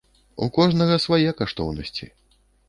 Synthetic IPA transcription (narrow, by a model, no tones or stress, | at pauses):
ṵkɔʐnɐɣɐsvajɛkaʂt̪ɔ̰wnɐsʲt͡sʲḭ